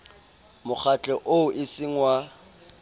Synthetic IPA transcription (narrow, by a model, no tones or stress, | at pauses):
mʊχʰat͡ɬʼɛʔoʔɪsɪŋ̩wa